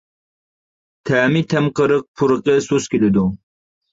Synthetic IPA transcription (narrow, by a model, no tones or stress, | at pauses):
t̪ʰaːmit̪ʰɐmqəɾəq̚pʰuɾəqesuskiled̪o